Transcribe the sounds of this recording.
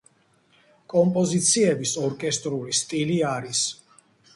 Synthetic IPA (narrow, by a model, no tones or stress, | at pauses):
kʼɔmpʼɔzit̪sʰiɛbisɔɾkʼɛst̪ʼɾulist̪ʼiliaɾis